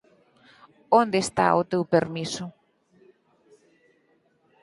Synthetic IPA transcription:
ond̪est̪a̰ʊt̪ewpeɾmisʊ

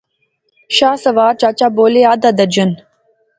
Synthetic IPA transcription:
ʃaːsɐʋaːɾt͡ʃaːt͡ʃaːboːleaːd̪ad̪ɐd͡ʑən

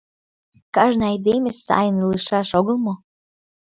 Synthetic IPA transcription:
kɑʒnɑjd̪emʲesɑ̰jəniləʃɑʃoɣəlmo

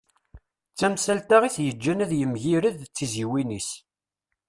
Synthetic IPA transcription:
t͡sːæmsælt̪aʁiθjəd͡ʒːænæðjəmʝiɾəðt͡sːiziwinis

